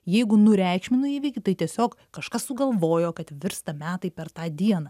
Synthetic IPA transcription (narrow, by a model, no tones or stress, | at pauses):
jɛɪɡʊnʊɾʲæˑɪkʃʲmʲɪnʊiːʋʲɛɪkʲɪt̪ɐɪt̪ʲiɛsʲoːkkɐʃkɐssʊɡɐlˠʋoːjoːkɐt̪ʋʲɪɾst̪ɐmʲæːt̪ɐɪpʲɛɾt̪ɑːd̪ʲiɛnɐ